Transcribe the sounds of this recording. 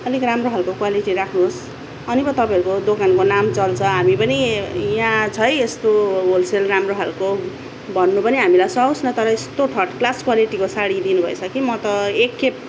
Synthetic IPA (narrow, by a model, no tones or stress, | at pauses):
ʌlikramroɦalkokwaliʈiɾakʰnuɦos | ʌnibʌt̪ʌpãĩʌɾukod̪okankonamt͡sʌlt͡sʰʌɦamipʌnijãt͡sʰʌjest̪obolselramroɦalko | bʱʌnːupʌneɦamilajsʌũsnʌt̪ʌɾʌest̪oʈʰʌʈklaskwaliʈikosaɽid̪inubʱʌ̰jsʰʌkimʌt̪ʌekːep̚